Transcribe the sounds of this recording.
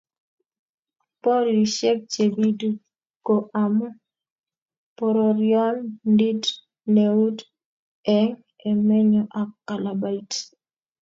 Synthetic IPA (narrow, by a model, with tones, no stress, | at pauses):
po˦ɾi˨ʃe˦b̚t͡ʃe˨bi˦du˦ | ko˨ʔa˨mɔ˦ | pɔ˨ɾɔ˨ɾjɔ˦nndi˦d | ne˨u˦d | ɛ˦ŋ | ɛ˨mɛ˦ɲɔ˦ʔa˨kːa˨la˨ba˦i˦t